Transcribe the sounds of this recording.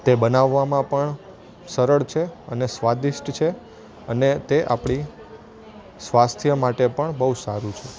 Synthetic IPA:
t̪ebənaʋːamãpəɳ | səɾəɭt͡ʃʰeənesʋad̪iʃʈt͡ʃʰe | ənet̪eʔapɳ̃i | sʋast̪ʰjəmaʈepəɳbəusaɾũt͡ʃʰe

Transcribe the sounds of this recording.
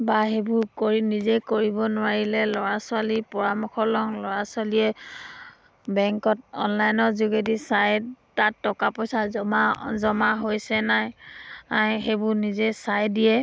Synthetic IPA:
baɦebʊɹkoɹinizekoɹibɔnʊwaɹilɛlɔɹasʊalipɔɹamɔkɔlɔŋlɔɹasʊalijɛ | bɛŋkɔt̚ɔ̰nlajnɔzuɡedisajtatːɔkapɔjsaɔmazɔmaɦojsɛnajaɦebʊɹnizɛsajdijɛ

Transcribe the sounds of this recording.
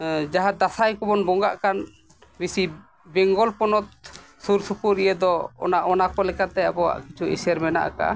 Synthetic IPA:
d͡ʒaɦad̪asajkɔbɔnbɔŋɡa̰ʔkan | bisi | bɛŋɡɔlpɔnɔt̪̚ | suɾsupuɾijəd̪ɔɔ̰naʔɔnakɔlɛkat̪ɛabɔwa̰ʔkit͡ʃʰuʔḭsɛɾmɛna̰ʔa̰ka̰

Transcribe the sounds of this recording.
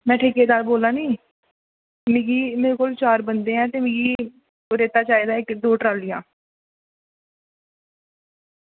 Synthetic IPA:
mɛ̃ːʈʰeːkeːd̪aːɾboːlaːnĩː | mẽːɡiːmeːɾeːkoːlt͡ʃaːɾbənd̪eːɛ̃ːt̪eːmɪ̃ːɡiː | ɾeːt̪aːt͡ʃaːiːd̪aːɪkd̪oːʈɾaːlɪjãː

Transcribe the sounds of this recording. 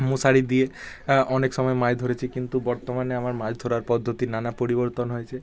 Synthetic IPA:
mũsaɽid̪ie | ɔneksɔmɔemajd̪ʱoɾet͡ʃʰikint̪ubɔɾt̪omaneamaɾmajd̪ʱoɾaɾpɔd̪ʱːot̪inanapoɾibɔɾt̪ɔnɦojt͡ʃʰe

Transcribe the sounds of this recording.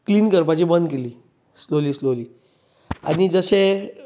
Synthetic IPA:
kliːnkəɾpat͡ɕibənd̪keliː | sloliːsloliː | a̰ñid͡zəɕe

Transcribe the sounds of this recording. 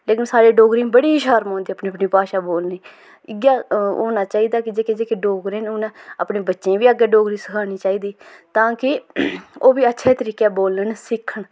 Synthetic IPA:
leːkɪnsaːɾeːɖoːɡɾiːmbəɽiːʃaːɾmõːnd̪iːəpniːəpniːpaːʃaːboːlniː | ɪɡaːo̰ːnaːt͡ʃaːiːd̪aːkɪd͡ʒeːked͡ʒeːkeɖoːɡɾeːnʊnɛ̃ə̰pɳeːbətːʃẽːʋiːəɡɛːɖoːɡɾiːsəkʰaːñiːt͡ʃaːiːd̪iːt̪ãːkɪ | oːʋiːətːʃʰeːt̪əɾiːkɛːboːləɳsɪkʰːəɳ

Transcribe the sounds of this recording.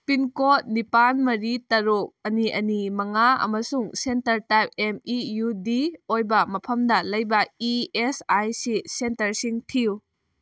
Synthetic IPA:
pinkot̚nipanmɐɾitɐɾuk̚ɐniʔɐnimɐŋaɐ̰mɐsuŋsentɐɾtajp̚emijudiojbɐmɐpʰɐmdɐlɐjbɐiesajsisentɐɾsiŋtʰiu

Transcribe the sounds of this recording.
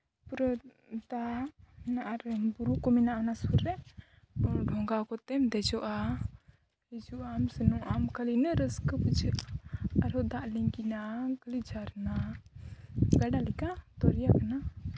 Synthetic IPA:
puɾɔ | d̪anaʔaɾbuɾukɔminaʔnasuɾːɛ | ɔɖʱɔŋɡakɔt̪ɛmd̪ɛd͡ʒɔʔa | id͡ʒuʔamsənuʔamkəlinəɾəskəpud͡ʒəʔaːɾɔd̪aʔliŋɡinakəlid͡ʒʱaɾna | ɡaɖalikat̪ɔɾijakana

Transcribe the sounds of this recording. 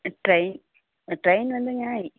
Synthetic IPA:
ʈrɐjn | ʈrɐjnʋɐnd̪ɨɲaːi

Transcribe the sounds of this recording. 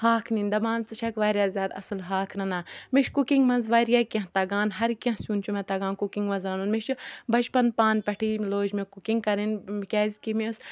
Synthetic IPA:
haːkʰnind̪ɐbãːnt͡sɨʃʰɐkʋaːɾjaːzʲaːd̪ɐ̰sɨlɦaːkʰɾɐnaːmiʃkukiŋɡmɐnzʋaːɾijaːkʲɐ̃ɦt̪ɐɡaːnɦɐɾkʲɐ̃ɦsuːnt͡ʃumẽt̪ɐɡaːnkukiŋɡmɐnzɾɐnunmiʃbɐt͡ʃpɐnpaːnpɐʈʰiːloːd͡ʒmẽkukiŋɡ̚kɐɾinkʲɛːzʲkimes

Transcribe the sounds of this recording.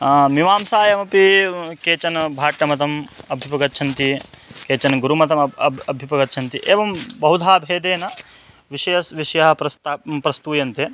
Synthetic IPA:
miʋaːmsaːjɐmɐpikeːt͡ʃɐnɐbʱaːʈːɐmɐt̪ɐmɐbʱjipɐɡɐtːt͡ʃʰɐnt̪i | keːt͡ʃɐnɐɡuɾumɐt̪ɐmɐɐɐbʱipɐɡɐtːt͡ʃʰɐnt̪iʔeːʋɐmbɐɦud̪ʱaːbʱeːd̪eːnɐ | ʋiʃɐjɐsʋiʂɐjɐɦɐpɾɐst̪aːpɾɐst̪uːjɐnt̪e

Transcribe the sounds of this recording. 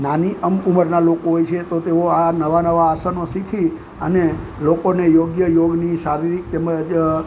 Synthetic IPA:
naniəmuməɾnalokoɦojt͡ʃʰet̪ot̪eoanəʋanəʋaːsanosikʰi | ənelokonejoɡjəjoɡnisaɾiɾik̚t̪eməd͡ʒ

